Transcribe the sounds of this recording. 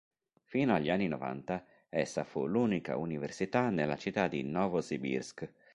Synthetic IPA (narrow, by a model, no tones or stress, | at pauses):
fiːnoaʎːianːinɔ̰va̰nt̪a | ɛsːafuluːnika̰universit̪anelːat͡ʃit̪ːad̪ḭnɔːvozibḭrsk